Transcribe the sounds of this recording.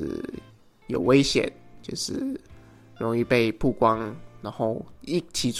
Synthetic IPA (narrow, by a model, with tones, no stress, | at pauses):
jo˨˩ʊwe˥˦ɪɕjɛ̰˨˦nt͡ɕjo˥˧ʊʂɻ̩̰˥˩ | ɻʊ˧˦ŋi˥˧pe˥˧ɪpʰu˥˩kwɑ˦ŋna˧˥ŋxo˥˩ʊi˥˩t͡ɕʰi˨˦t͡s